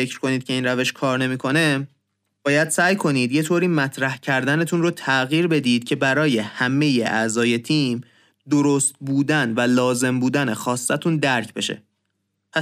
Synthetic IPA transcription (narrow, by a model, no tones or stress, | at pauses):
fecʰɾkʰo̞niːd̪̥̚cʰe̞iːnɾæve̞ʃkʰɒːɾne̞miːkʰo̞ne̞ | b̥ɒːjæd̪̥sæːjkʰo̞niːd̪je̞t̪ʰoːɾiːmæt̪ʰɾæhcʰæɾd̪æne̞t̪ʰunrot̪ʰæɣiːɾbe̞d̪iːd̪̥cʰe̞bæɾɒːje̞hæme̞je̞ʔæzɒːje̞t̪ʰiːm | d̪oɾost̪̚buːd̪ænvælɒːze̞mbuːd̪ænexɒːsːæt̪ʰund̪æɾcʰbe̞ʃḛ | pʰæ